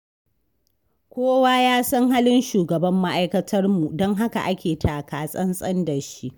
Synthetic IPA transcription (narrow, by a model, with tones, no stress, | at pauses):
kʷoː˦waː˦jaː˦sɐ˦ŋɦaː˦lɪ˦nʃuː˨ɡɐ˨bɐ˦mːa˦ʔa˦jkɐ˦tʰɐ˦rmu˨dɔ˦ŋɦa˦ka̰˨ʔa˦kʲeː˨tʰaː˨kaː˨sʼɐ˦nsʼɐ˦ndɐ˨ʃi˦ʔ